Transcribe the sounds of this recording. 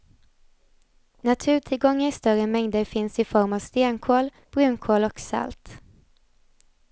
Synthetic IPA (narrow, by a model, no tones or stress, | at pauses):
nat̪ʰʉ̟ːʈʰɪlɡɔŋːəɾɪst̪œɾəmɛŋd̪əɾfɪnsɪfɔɾmɑːʋst̪eːnkʰoːl | b̥ɾʉːnkʰoːlɔksa̰lt̪